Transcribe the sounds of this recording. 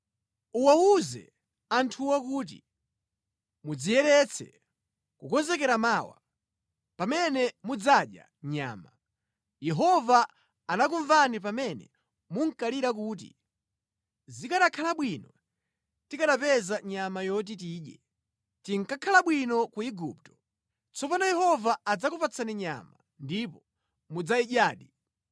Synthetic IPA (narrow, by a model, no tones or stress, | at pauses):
uwauzɛ̰ | antʰuwakuːt̬ḭ | mud͡zijɛɾɛt͡sʰɛ̰ | kukɔzɛkɛɾamaːwa̰ | pamɛnɛmud͡zaɗja̰ | ɲa̰ːma | jɛɦɔvaː | nak̬uɱvanip̬amɛnɛ̰ | muŋ̩kaliɾak̬uːt̬ḭ | zikaɗakʰalaɓwinɔ | tikaɗapɛzaɲamajɔt̬it̬iːɗjɛ̰ | tiŋkakʰalaɓwinɔkuiɡup̚tɔ̥ | t͡sɔpanɔjɛhɔvaːd͡zakupat͡sʰaniɲa̰ma | ndipɔ | mud͡zaiʄaːɗi